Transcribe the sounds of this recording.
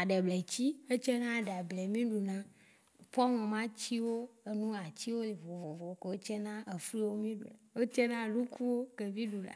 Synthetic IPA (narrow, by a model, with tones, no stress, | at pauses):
a˨ɖɛ˨blɛ˨t͡ɕi˦e˦t͡ʃɛ˦nã˦˨ɖa˨blɛ˨mĩ˦ɖu˨nã˦ | pɔ˦ŋɔ̃˨mã˦t͡ɕi˦wo˦e˨nũ˦a˨t͡ɕi˦wo˦le˨vo˨vo˨vo˨˦ke˨wo˦t͡ʃɛ˦nã˦e˨fɾi˦wo˦mĩ˦ɖṵ˨la˨wo˦t͡ʃɛ˦nã˦lu˦ku˦wo˦ke˨vĩ˦ɖu˨la̰˨